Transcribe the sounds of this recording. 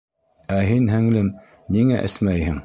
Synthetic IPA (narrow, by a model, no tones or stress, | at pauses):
æɦinɦæŋlɘm | niŋæʔɘ̰̆smæjhɘŋ